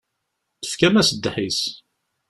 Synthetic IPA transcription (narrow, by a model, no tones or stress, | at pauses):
θə̥fkæmæsəd̪ːħis